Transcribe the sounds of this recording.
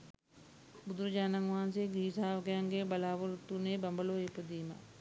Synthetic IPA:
bud̪ɾɐd͡ʒaːnaŋʋaːns̬eːɡɾiːsaːʋɐkəjaŋɡeːbɐlaːʋɐɾut̪ːuneːbɐmbɐloːepːəd̪iːmɐ̰

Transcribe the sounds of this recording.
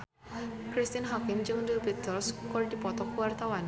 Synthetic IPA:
kɾist̪ɪnɦakɪmd͡ʒɨŋdibid̪ɔlskɔrdipɔt̪ɔkuwart̪awan

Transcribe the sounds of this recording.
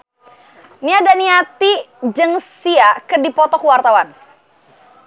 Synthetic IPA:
niadaniat̪i | d͡ʒəŋsiakədipɔt̪ɔkuwart̪awan

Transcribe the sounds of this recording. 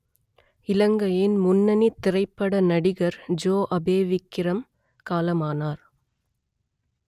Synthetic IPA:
ɪlɐŋɡɐjɪnmʊnːɐnit̪ːɪrɐɪpːɐɽɐnɐɽɪɣɐɾd͡ʒoːʔɐbeːʋɪkːɪɾɐm | kaːlɐmaːnaːɾ

